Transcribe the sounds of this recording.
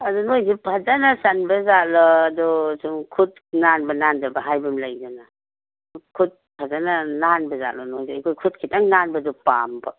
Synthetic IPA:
ɐdunojzipʰɐzanasanbɐzalɔːdɔsumkʰut̚ | nanbɐnandɐbɐɦajbɐmlajdɔna | kʰut̚pʰazanananbɐza̰ʔlɔnojzikʰojkʰut̚kʰitaŋnanbɐdɔpa̰mbɐ

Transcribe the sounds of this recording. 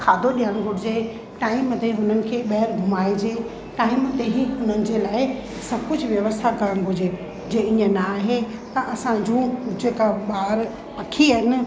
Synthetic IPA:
kʰaːd̪ʱoɗijəɽ̃ɡʱʊʈʰɪd͡ʑeː | ʈaːɪmt̪eɦʊnənɪ̆kʰeːɓɐɦəɾɡʱʊmaːid͡ʑeː | ʈaːɪmt̪eɦiɦʊnənɪ̆d͡ʑeːlaːɪ | sɐb̚ʱkʊd͡ʑʱʋjɐʋəst̪ʰakɐɾəɽ̃ɦʊd͡ʑe | d͡ʑeːĩːə̃naːɦet̪ɐʔɐsãd͡ʑũːd͡ʑeːkaɓaːɾ | pɐkʰiaːɦɪnɪ̆

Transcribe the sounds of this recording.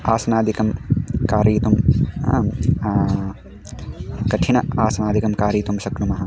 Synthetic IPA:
aːsɐnaːd̪ikɐmkaːɾiːt̪um | kɐʈʰinɐaːsɐnaːd̪ikɐmkaːɾiːt̪umʃɐknumɐɦɐ

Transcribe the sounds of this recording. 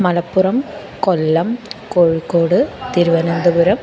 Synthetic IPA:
mɐlɐpːurɐm | kolːɐmkoːɻikːoːɽɨt̪iɾuʋɐnɐnd̪ɐbuɾɐm

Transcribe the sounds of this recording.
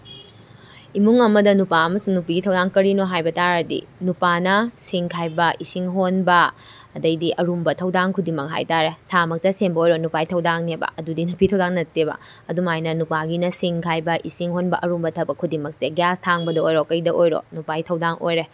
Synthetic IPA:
imuŋɐmɐdɐnupaːmɐsuŋnupiɡitʰɐwdaŋkɐɾinoɦajbɐtaɾɐdḭnupanɐsiŋkʰajbɐʔisiŋɦonbɐː | dɐjdiʔɐɾumbɐtʰɐwdaŋkʰudimɐk̚ɦa̰jtaɾesamɐk̚tɐsembɐojɾonupajitʰɐwdaŋnebɐ̰ɐdudinupiɡitʰɐwdaŋnɐtːebɐ̰ | ɐdumajnɐnupaɡinɐsiŋkʰajbɐʔisiŋɦonbɐʔɐɾumbɐtʰɐbɐkʰudimɐk̚seɡjastʰaŋbɐdɐojɾokɐjdɐʔojɾo̰nupaɡitʰɐwdaŋʔo̰jɾe

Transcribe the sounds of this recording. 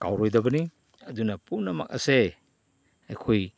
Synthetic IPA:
ka̰wɾojdɐbɐni | ɐdunɐpumnɐmɐ̰k̚ɐ̰se | ɐjkʰoj

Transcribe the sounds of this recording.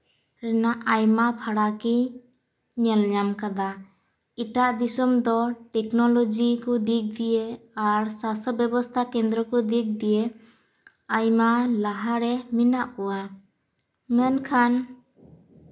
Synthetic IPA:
ɾɛnaʔajmapʰaɽaki | ɲɛlɲamkad̪a | iʈaʔd̪isumd̪ɔʈɛknɔlɔd͡ʒikud̪ik̚d̪ijeaɾsast̪ʰɔbjɔbɔst̪ʰakɛ̃nd̪ɾɔkɔd̪ik̚d̪ije | ajmalaɦaɾɛminaʔkɔwa | mɛnkʰan

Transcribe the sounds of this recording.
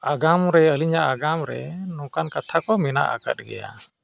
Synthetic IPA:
aɡamɾɛəliɲaʔaɡamɾɛ̰nɔ̃kankat̪ʰakɔmɛna̰ʔa̰ka̰t̪̚ˀɡɛ̰ja̰

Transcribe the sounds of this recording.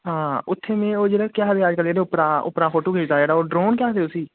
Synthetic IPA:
ɦãːʊt̪ʰːeːmẽːoːd͡ʒeːɽaːkjaːɦd̪eːad͡ʒkəld͡ʒeːɽeːʊpɾãːʊ̰pɾãːkʰoːʈuːkeːd͡ʒd̪aːd͡ʒeːɽaːoːɖɾoːnkjaːt̪eːoːsiː

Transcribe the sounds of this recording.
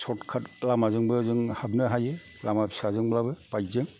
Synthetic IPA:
sɔtkʰat̚lamazɯŋbɯzɯŋhab̚nɯɦajɯ | lamapʰi̥sazɯŋblabɯpajzɯŋ

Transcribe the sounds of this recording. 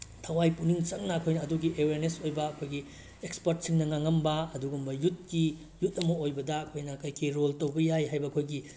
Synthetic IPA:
tʰɐwajpuniŋt͡ʃɐŋnɐːkʰojnɐːduɡiʔeweɾnesojbɐɐkʰojɡi | ekspɐɾt̚siŋnɐŋaŋːɐmbɐɐduɡumbɐjut̚ki | jut̚ːɐmɐojbɐdɐɐkʰojnɐkɐjkʰiɾoltowbɐjajɦajbɐɐkʰojɡi

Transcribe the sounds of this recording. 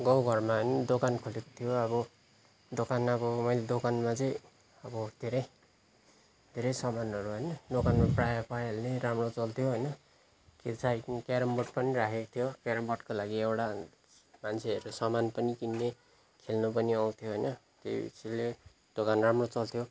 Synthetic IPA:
ɡʌwɡʱʌrmaɦʌjnʌd̪okankʰolekot̪ʰijoʌbʌ | d̪okanabʌmʌjled̪okanmat͡sʌj̃ | ʌbʌd̪ʱeɾʌj | d̪ʱeɾʌjsʌmanʌɾuɦʌjnʌd̪okanmaprajapajʌlneɾamrot͡sʌlt̪ʰjoɦʌjnʌ | ket͡sʰajkaɾʌmbʌʈpʌniɾakʰekot̪ʰjokaɾʌmbʌʈkolaɡiewʈa | mant͡sʰeʌɾusʌmanpʌnikinːe | kʰelnupʌniaw̃t̪ʰjoɦʌjnʌ | t̪ḛsʰile | d̪̥okanramrot͡sʌlt̪ʰjo

